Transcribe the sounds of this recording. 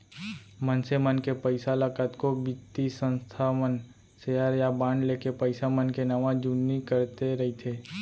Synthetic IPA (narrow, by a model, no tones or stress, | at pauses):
mənsemənkepəɪsalakət̪kobɪt̪isə̃nst̪ʰamən | seːəɾjabãːɳɖleːkepəɪsamənkenɐʋãd͡ʒunːikəɾt̪eɾɐɦit̪ʰeː